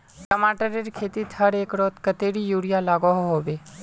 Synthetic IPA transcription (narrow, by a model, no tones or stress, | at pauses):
ʈəmaːʈəɾeɾkʰeːt̪it̪ʰəɾekɾot̪kət̪eɽijuːɽijalaːɡɔɦɦoːʋe